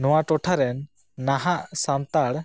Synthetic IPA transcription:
nɔwaʈɔʈʰaɾɛnː | aɦaʔsant̪aɽ

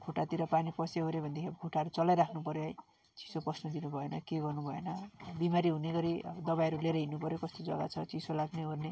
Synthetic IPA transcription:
kʰoʈat̪iɾʌpanipʌseɦoɾebʱʌnd̪ekʰeɡʱuʈaɾut͡sʌlajɾakʰnupʌɾjoj | t͡si̥soprʌsnʌd̪inubʱʌenʌkeɡʌrnubʱʌenʌbimaɾiɦuneɡʌɾḭd̪ʌbajʌɾuleɾeɦinːupʌɾjokʌst̪od͡zʌɡa̰t͡sʰʌt͡sisolaɡneorne

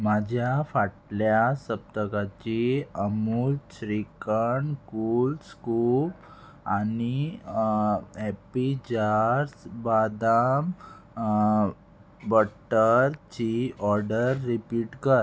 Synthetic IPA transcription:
mad͡ʑʱjafaʈljasəp̚t̪əkat͡ɕiəmult͡ɕɾikəɳkulskup | ani | ɛpid͡ʑaɾsbad̪am | bəʈːəɾt͡ɕiɔɾɖəɾːipiːʈkəɾ

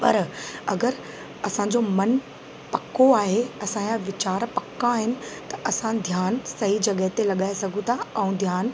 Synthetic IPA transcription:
pɐ̰ɾɐɡəɾ | ɐsãːd͡ʑomɐn | pɐkoaːɦeɐsãjãʋɪt͡ɕaːɾpɐkãɦɪnɪ̆t̪ɐʔɐsãd̪ʱjaːnsɐɦid͡ʑɐɠəɦɪt̪elɐɠaːesɐɡʱũt̪ʰaɛ̃ũd̪ʱjaːn

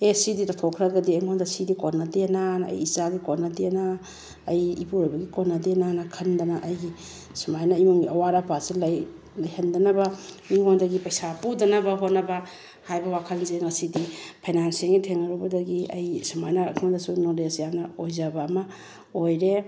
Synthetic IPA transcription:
esidiɾatʰokʰɾaɡɐdiɐjŋondɐsidikonːadenanɐ̰jizaɡikonadena | ɐjḭpuɾojbɐɡikonːadenanakʰɐndanaʔɐjɡi | simajnaimuŋiɐwaɾapasilaj | lajhendɐnɐbɐ | iŋondɐɡipɐjsapudɐnɐbɐɦotnɐbɐ | hajbɐwakʰɐnzeŋɐsidipʰajnansiŋitʰeŋɐɾubɐdɐɡiɐ̰jsimajnakʰmadasunodesjamnɐojzabamɐ | ojɾe

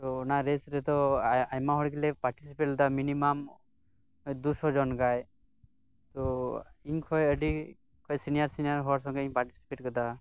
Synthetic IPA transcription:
t̪ɔnaɾesɾɛt̪ɔajmaɦɔɽɡilɛpaɾʈisipeʈd̪aminimam | d̪usɔd͡ʒɔnɡaj | t̪ɔiɲkʰɔjəɖi | kʰɔjsinijaɾsinijaɾɦɔwaɾs̬ɔŋɡɔiɲpaɾʈi̥si̥peʈkɔd̪a

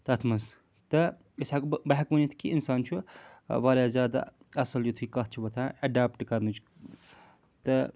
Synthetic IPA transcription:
t̪ɐt̪ʰmɐns | t̪ɐ | isaːkubaɦkʋɐnit̪ʰi̥kiinsaːnt͡ʃʰuʋaːɾaːzʲjaːd̪a̰ | ɐsɐljot̪ʰukɐt̪̚ʰt͡ʃʰubɐt̪ʰãːɐɖaːp̚ʈkɐɾnut͡ʃʰ | t̪ɐ

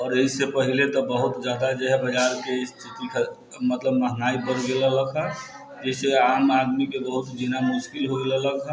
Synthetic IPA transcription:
ɔːɾeɦisepəɦilet̪ɔbəɦʊt̪d͡ʒjaːd̪ad͡ʒeɦɛbəd͡ʒaːɾkest̪ʰit̪ikʰə | mət̪ləbməɦnaːibəɾɡelələɡɦa | d͡ʒɛseaːmad̪mikebəɦʊt̪d͡ʒinamʊʃkɪlɦoɡelələɡɦa

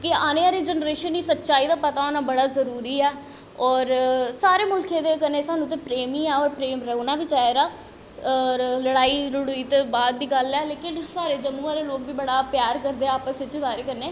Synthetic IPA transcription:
kɪaːneːaːɾeːd͡ʒənɾeːʃəniːsətːʃaːiːd̪aːpət̪aːonaːbəɽaːzəɾuːɾiːɛː | ɔːɾsaːɾeːmʊlkʰeːd̪eːkəneːsaːnũːt̪̬ẽːpɾeːmĩːɛːɔːɾpɾeːmɾɛɦunaːbiːt͡ʃaːeɾaː | ləɽaːiːɾʊɽuiːt̪ebaːd̪ːiːɡəlɛːleːkɪnsaːɾeːd͡ʒəmːuːaːɾeloːkbiːbəɽaːpjaːɾkəɾd̪eːaːpəsʋɪt͡ʃsaːɾeːkənːeː

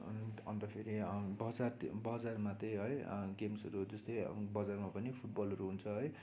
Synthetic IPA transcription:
ʌnt̪ʌpʰeɾibʌd͡zart̪bʌd͡zarmat̪ʌjɦʌjɡemsʌɾud͡zʌst̪ʌjbʌd͡zarmapʌnipʰuʈ̚bʌlɦʌɾuɦunt͡sʰʌɦʌj

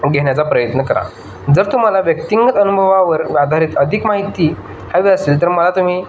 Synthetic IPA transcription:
ɡʱeɳ̃jat͡sapɾəjət̪nəkəɾa̰ | d͡zəɾt̪um̤alaʋjək̚t̪iŋɡət̪ənubʱəʋaʋəɾʋad̪ʱaɾiːt̪əd̪ʱikmaɦit̪iː | haʋiːəseːlt̪əɾməlat̪um̤iː

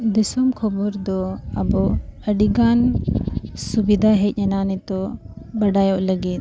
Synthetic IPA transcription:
d̪isɔmkʰɔbɔɾd̪ɔəbɔəɖiɡan | subid̪ʱaɦɛc̚ˀɲɛnanɛt̪ɔ | bəɖajɔʔləɡit̪̚

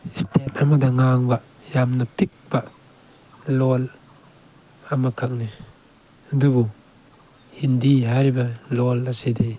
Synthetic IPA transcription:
istʰet̚amadaŋaŋbaʔ | jamnapik̚b̥a | lɔl | amakʰak̚ni | dubu | hindiɦaɾibalɔlasidi

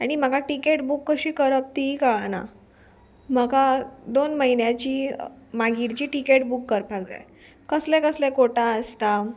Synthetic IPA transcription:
aɽ̃im̤əɡaʈikeʈbukːəɕiːkəɾəp̚t̪ikəɭana̰ | m̤əɡad̪onməɦinjat͡ɕiːmaɡiɽt͡ɕiːʈikeʈbukːəɾpaɡd͡za̰j | kəslẽkəslẽkoʈaəst̪a

